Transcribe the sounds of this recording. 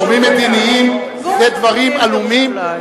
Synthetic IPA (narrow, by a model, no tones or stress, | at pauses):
mimed̪iniim | led̪vaʁimalumim